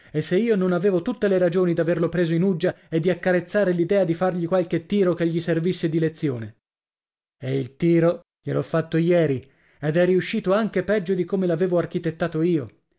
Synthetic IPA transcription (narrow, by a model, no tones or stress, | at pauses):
esːeiːononaveːvot̪ut̪ːeleɾad͡ʒoːnid̪averlopɾeːzoinud͡ʒːa | ed̪ːiakːaɾet̪sːaːɾelid̪ɛːad̪ifarʎikwalk̟et̪ːiːɾok̟eʎːiservisːed̪ilet̪sːjo̰ːne | eilt̪iːɾo | ʎelɔfːat̪ːojɛːɾi | ed̪ɛriuʃːiːt̪oaŋk̟epɛd͡ʒːod̪ikomelaveːvoarkit̪et̪ːaːt̪oiːo